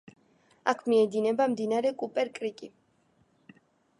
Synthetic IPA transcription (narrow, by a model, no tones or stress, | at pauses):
a̰kʰmiɛd̪inɛbamd̪inaɾɛkʼupʼɛɾkʼɾikʼi